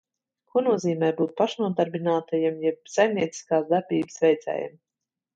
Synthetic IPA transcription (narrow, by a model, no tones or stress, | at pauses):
kuɔnuɔziːmɛjbuːt̪̚paʃnuɔd̪aɾbʲinaːt̪ajɛmjɛb̚sajmnʲiɛt̪si̥skaːsd̪aɾbʲiːbəsvʲɛjd̪zʲɛ̰ːja̰m